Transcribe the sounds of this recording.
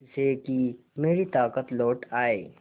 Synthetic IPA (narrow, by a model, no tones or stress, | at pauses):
seki | meːɾit̪aːkət̪lɔːʈaːeː